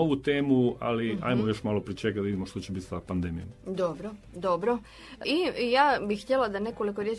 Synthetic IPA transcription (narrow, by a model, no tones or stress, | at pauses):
oʋut̪e̞ːmua̰lia̰jmojoʃmalˠopɾit͡ʃekad̪aid̪imoʃt̪ot͡ɕebit̪sapand̪emijo̰md̪obɾo | d̪o̞bɾo | ijaːbixxt̪jelad̪ane̞kolikoɾjet͡ʃ